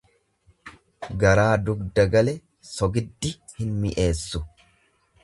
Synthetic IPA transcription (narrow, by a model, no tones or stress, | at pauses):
ɡɐɾaːd̪ʊɡd̪ɐɡɐlɛ | sɔɡɪd̪ːɪ | hɪnmɪʔe̞ːsːʊ